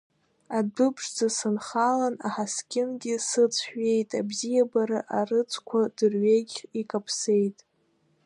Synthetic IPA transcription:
abɨpʰʂd͡zasɨnχalanaħaskʲʼɪnɡʲɪsɨt͡sʰħᶣe̞jtʼabzijabaɾɨʔarɨt͡sʰʼkʷʰadɨrɥeɡʲikʼapʰse̞jtʼ

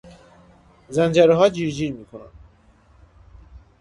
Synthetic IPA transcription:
zænd͡ʒæɾɛɦɒːd͡ʒiːɾd͡ʒiːɾmiːkʰonæ̰n

